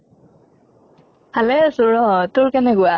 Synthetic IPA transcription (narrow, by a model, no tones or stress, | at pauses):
halɛsʊɹɔtʊɹkɛnɛɡʊa